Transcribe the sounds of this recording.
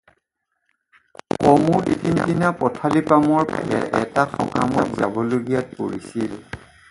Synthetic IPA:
kɔmuɹtitʰintinapɔtʰalipamɔɹpa̰jɛ̰ʔɛtaxɔ̰ka̰mɔtza̰bɔloɡijat̚poɹisil

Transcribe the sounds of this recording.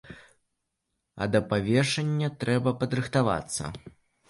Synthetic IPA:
ɐ̰d̪ɐpavʲɛʂɐnʲːɐt̪ɾɛbɐpɐd̪ɾɨxt̪ava̰t̪sːɐ̰

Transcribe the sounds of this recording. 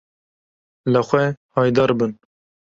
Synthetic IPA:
ləxʷɛhɑːjd̪ɑːɾbɨn

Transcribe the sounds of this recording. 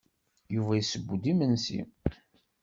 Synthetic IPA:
juvæjisəbːud̪imənsḭm

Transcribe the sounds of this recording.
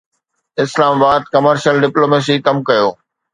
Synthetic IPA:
ɪslaːmabaːd̪̚kɐməɾʃəlɖɪploːmeːs̬ikɐmkɐjoː

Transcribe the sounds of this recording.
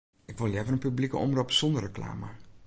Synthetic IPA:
ɪkʋɪlˠjɛvərənpyblikəʔɔ̰mropsɔndərəkla̰ːmə

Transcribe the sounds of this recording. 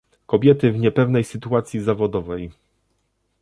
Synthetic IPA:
kɔbʲjɛt̪ɘvɲɛpɛvnɛjsɘt̪uat̪sʲjizavɔd̪ɔvɛj

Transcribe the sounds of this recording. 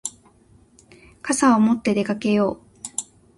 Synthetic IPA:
kasaomo̞t̪ːe̞d̪e̞kake̞jo̞ː

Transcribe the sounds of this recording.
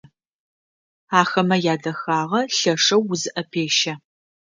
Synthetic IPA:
aːxɐmɐjaːdɐxaːʁɐɬɐʂɐwːʊzɨʔɐpʰeːʃɐ

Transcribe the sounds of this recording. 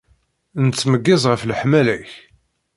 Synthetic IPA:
nt͡sːməɡːɪzˤʁəflħmælæç

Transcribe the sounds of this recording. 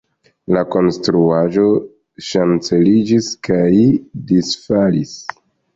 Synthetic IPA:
lako̞nstɾuaʒo | ʃant͡se̞lid͡ʒiskajdisfalis

